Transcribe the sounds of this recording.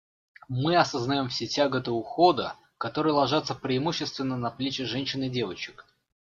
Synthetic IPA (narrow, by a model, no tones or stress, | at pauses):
mɨɐsəznɐjo̞mfsʲetʲaɡət̪əʊxo̞d̪ə | kɐt̪o̞ɾɨjlˠɐʐat̪səpɾʲɪːmuɕːɪst̪vʲɪnːənɐplʲet͡ɕɪʐɛnʲɕːɪnɪdʲe̞vət͡ɕɪ̥k